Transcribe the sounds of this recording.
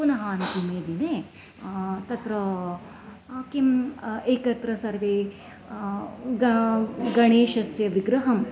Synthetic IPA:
unɐɦɐːnt̪imeːd̪ineː | t̪ɐt̪ɾɐ | kimeːkɐt̪ɾɐsɐɾʋeː | ɡɡɐɳeːʃɐsjɐʋiɡɾɐɦɐm

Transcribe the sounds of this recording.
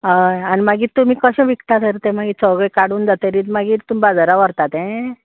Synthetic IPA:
ɦajanimaɡiːt̪ːum̤iːkəɕẽʋikʈ̪at̪ʰəɾt̪emaɡit͡sɔɡəjkaɽuːnd͡zat̪əɾiːmaɡiːt̪umibad͡zaɾaʋəɾt̪at̪ɛ̃

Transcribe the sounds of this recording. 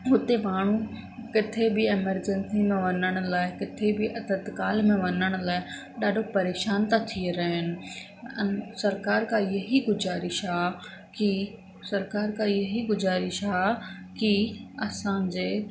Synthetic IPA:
ɦʊt̪emaːɽ̤̃ũ | kɪt̪ʰebɪɪməɾd͡ʑɛ̃nsimẽʋɐnəɽ̃ʊlaːɪkɪt̪ʰebɪʔɐt̪ət̪kaːlmẽʋɐnəɽ̃ʊ̆laːɪ | ɗaːɖʱopɐɾeːʃaːnt̪at̪ʰieɾɐɦɪnɪ̆ | sɐɾkaːɾkʰãjɐɦiɡʊzaːɾɪʃa | ki | sɐɾkaːɾkʰãɪjɐɦiɡʊzaːɾɪʃɦakiɐsãd͡ʑeː

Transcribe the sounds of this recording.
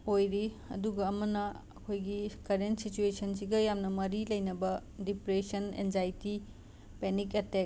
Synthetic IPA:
ojɾi | ɐ̰duɡɐːmɐnɐ | ɐ̰kʰojɡikɐɾentsit͡ʃuesʰɐns̬iɡɐjamnɐmɐɾilɐjnɐbɐdipɾesɐnḛnzajti | peniketek̚

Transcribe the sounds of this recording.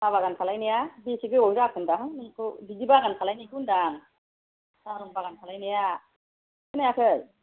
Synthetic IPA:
saβaɡankʰalajnijabisiɡɯwawzakʰɯndaɦanɯŋkʰɯbizibaɡankʰalajnijkʰɯndaŋ | saɾuŋbaɡankʰalajnija | ɯnajakʰɯj

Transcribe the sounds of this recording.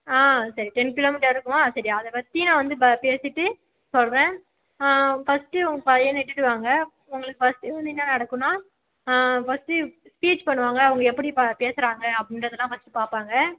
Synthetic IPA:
aːsɐɾiʈɛnkɪloːmɪʈɐɾɪɾɯkːɯmaːsɐɾiɐðɐpɐt̪ːinãːʋɐnd̪ɯpeːsɪʈːɯ | sɔlʋẽː | fɐsʈɯʊŋɡɐpɐðɐjẽnɛʈːɯʈːɯʋaːŋɡɐ | ʊŋɡɐɭɯkːɯfɐsʈɪʋɐnd̪ɯɪnːɐnɐɽɐkːɯnːaː | fɐsʈɯspiːt͡ʃpɐɳːɯʋaːŋɡɐʋɐŋɡɐɛpːɐɽipapeːsɯɾaːŋɡɐɐpːɐɽɪndɾɐðɯlːãːfɐsʈɯpaːpaːŋɡɐ

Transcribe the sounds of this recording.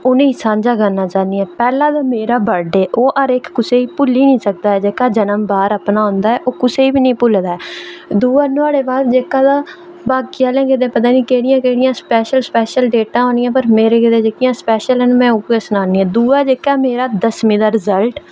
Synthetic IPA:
ʊnẽːsãːɲd͡ʒaːɡənːaːt͡ʃãːniːɛːpɛːlãːd̪aːmeːɾaːbəɖeːʔoːʔəɾɪkːʊseːiːpʊlːiːnĩːsək̚d̪aːɛːd͡ʒeːkaːd͡ʒənəmbaːɾəpnaːɦõːnd̪aːɛːʔoːkʊseːiːbiːnĩːpʊld̪aːɛːd̪uːaːnʊaːɽeːbaːd̪d͡ʒeːkãːd̪aː | baːkiːaːlɛ̃ːkɪd̪eːpət̪̬ãːniːkeːɽɪjãːkeːɽɪjãːspɛːʃəlspɛːʃəlɖeːʈãːɦoːnɪjãːpəɾmeːɾeːkɪd̪eːd͡ʒeːkɪjãːspɛːʃəlɦɛnmɛ̃ːʊkesənaːniːɛ̃ːd̪uːaːd͡ʒeːkaːmeːɾaːd̪əsmĩːd̪aːɾɪzəlʈ

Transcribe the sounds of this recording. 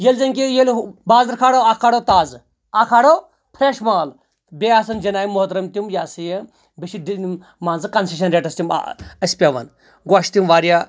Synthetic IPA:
jelʲzɐŋkijelbaːzɐɾkʰaːɽoakʰaɽot̪aːz | akʰaːɽo | pʰɾeʃmaːl | bʲeaːsɐnd͡ʒɐnaːjimːoɦt̪ɾɐmt̪imjaːsɨje | biʃii | maːnzɨkɐnsiʃ̬ɐnɾeːʈɐst̪ʲim̰ɐsʲpʲeʋɐ̰n | ɡaːʃt̪imʋaːɾja

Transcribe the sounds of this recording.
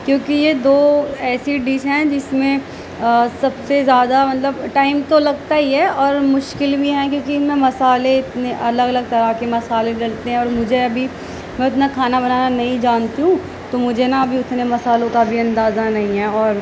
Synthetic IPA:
kjõːkijed̪oːɛːsiɖiːʃɦɛ̃d͡ʒɪsmẽ | sɐbsezjaːd̪amɐt̪ləbʈaːɪmt̪olɐɡt̪aiɦɛɔːɾmʊʃkɪlbʱiɦɛ̃kjõːkimɛ̃mɐsaːleɪt̪neʔɐləɡɐləɡ̚t̪ɐɾakemɐsaːleɖɐlt̪eɦɛ̃ɔːɾmʊd͡ʒʱeɐbʱi | mɛ̃ʊt̪nakʰaːnabɐnaːnanɐɦĩd͡ʒaːnt̪iɦũ | t̪omʊd͡ʒʱenaɐbʱiʊt̪nemɐsaːlõkabʱiɐ̃nd̪aːzanɐɦĩɦɛ̃ɔːɾ

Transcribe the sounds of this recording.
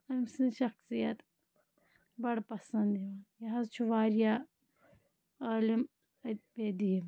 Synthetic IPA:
ɐmsinʃɐxsijɐt̪ | bɐɽpɐsɐnd̪iʋajɐɦɐzt͡ʃʰuʋaːɾja | ɐːlim | ɐpeːd̪ii

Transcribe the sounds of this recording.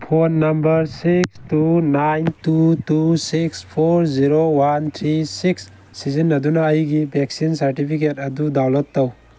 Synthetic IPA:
pʰonːɐmbəɾsikstunajntutusikspʰoɾziɾowant̪ʰɾisiksː | izinɐdunaːjɡibʱɛksinsɐɾʈipʰiketɐdudawlɔt̪ːaw

